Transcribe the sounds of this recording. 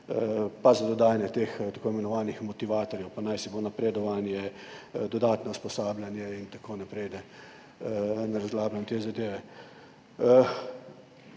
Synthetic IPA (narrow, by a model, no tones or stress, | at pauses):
pazad̪ɔd̪aːjanjɛt̪eːxt̪akoːimɛnɔʋaːnixmɔt̪iʋaːt̪ɔɾjɛwpanajsibonapɾeːd̪ɔʋanjɛd̪ɔd̪aːt̪nɔuspɔsaːblʲjanjɛint̪akoːnɛpɾɛjd̪ɛ | naɾazlaːblant̪eːzad̪eːʋɛ